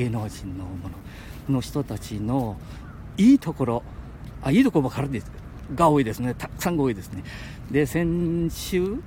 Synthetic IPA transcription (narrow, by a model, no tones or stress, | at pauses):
enoʑĩnːo̞mo̞no | no̞çi̥t̪o̞t̪at͡ɕino̞ | iːt̪o̞ko̞ɾo̞ | aiːt̪o̞koɾoβakaɾɯ̃nd̪es | ɡaoːid̪e̞sɨne̞t̪ʰakɯ̥sãŋɡaːid̪e̞sɨne̞ | d̪e̞sẽ̞ɲ̃ɕɨː